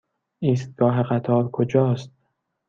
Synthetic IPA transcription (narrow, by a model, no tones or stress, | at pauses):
iːst̪̚ɡ̥ɒːɦeɢæt̪ʰɒːɾkʰod͡ʒɒːst̪̚